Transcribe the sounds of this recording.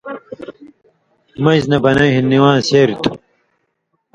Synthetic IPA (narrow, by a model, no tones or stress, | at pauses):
mɐznɐbɐnɐɦinːiwãːnseːɾit̪ʰu̥